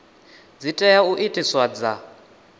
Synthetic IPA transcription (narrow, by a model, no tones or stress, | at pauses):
d͡zitʼɛjauʔitʼiswad͡za